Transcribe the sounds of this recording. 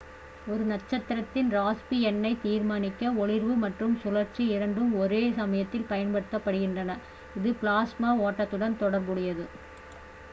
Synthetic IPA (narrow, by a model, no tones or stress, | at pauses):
ɔɾɯnɐʈt͡ʃːɐt̪ːɪɾɐt̪ːɪnɾaːspiɛnːɐɪt̪iːɾmaːnɪkːɐɔɭɪɾʋɯmɐʈrɯmsʊlɐɾt͡ʃːiɪɾɐɳɖɯmɔɾeːsɐmɐjɐt̪ːɪlpɐjɐnpɐɽɯt̪ːɐpːɐɽɯɣɪndrɐnɐ | ɪðɯplaːsmaːoːʈːɐt̪ːɯɽɐnt̪ɔɽɐɾbɯɽɪjɐðɯ